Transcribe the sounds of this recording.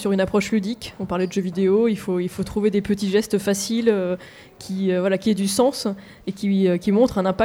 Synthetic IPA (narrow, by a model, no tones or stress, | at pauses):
syʁynapχɔʃlyd̪ikʲɔ̃paʁlɛd̪əʒøvid̪eoilfoilfot̪χuved̪epət̪iʒɛst̪fasilø | kʲʰiøvwalakʲiɛd̪ysɑ̃s | ekʲiøkʲimɔ̃t̪χɛ̃nɛ̃pa